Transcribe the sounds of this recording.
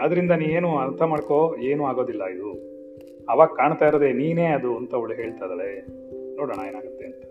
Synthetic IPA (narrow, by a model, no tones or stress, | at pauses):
ɐd̪ɐɾind̪ɐniːʋeːnuɐnt̪ʰɐmaːɽko̞eːnuːaːɡo̞ːd̪ilːɐid̪u | ɐʋaːɡkːaːɳt̪aːiɾod̪e̞niːne̞ːɐd̪uɐnt̪ɐuɭɦeːɭt̪ajd̪ɐɭe | noːɽɐɳɐjeːnaːɡut̪ːe̞ɐnt̪ɐ̥